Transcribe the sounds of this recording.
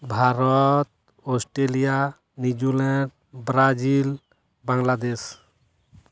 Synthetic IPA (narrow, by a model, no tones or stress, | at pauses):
bʱaɾɔt̪̚ | ɔsʈɾelija | nid͡ʒulɛʈ | bɾad͡ʒil | baŋlad̪es